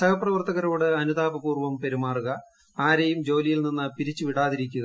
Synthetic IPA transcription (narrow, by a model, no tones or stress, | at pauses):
sɐkɐprɐʋɐrt̪ɐɣɐɾo̞ːɽɨɐnud̪aːbɐpuːrʋɐmpe̞ɾimaːruɣɐ | aːɾejumd͡ʑo̞ːlijilninːɨpiɾit͡ɕːɨʋiɽaːðiɾik̬ʲːuɣɐ